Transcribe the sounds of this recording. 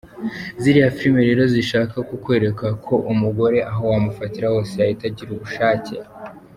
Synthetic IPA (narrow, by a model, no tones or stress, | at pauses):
ziɾihafiɾimeɾe̞ːɾo̞ziʃaːkakukwe̞ːɾe̞kakʰo̞ʔumuɡo̞ɾe̞ʔaɦo̞wamufatiɾawo̞seaitaɟiɾuβuʃaːcḛ